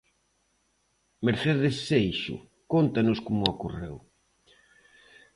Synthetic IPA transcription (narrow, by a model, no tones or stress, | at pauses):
meɾθeðesːejʃʊ̰ | kont̪anʊskomʊakorew